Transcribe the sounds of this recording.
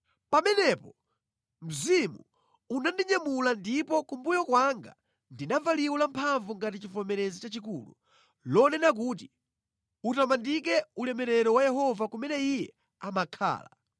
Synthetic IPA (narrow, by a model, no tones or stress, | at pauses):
pamɛnɛpɔ | m̩zimṵ | unandiɲamulandipɔkumbujɔkwaŋɡa̰ | ndinavaliwulampʰaɱvuŋɡatit͡ʃifɔmɛɾɛzit͡ʃat͡ʃikulṵ | lɔnɛnak̬ut̬i | utamandik̬ɛulɛmɛɾɛɾɔwajɛɦɔvakumɛnɛijɛ | amakʰa̰ːla̰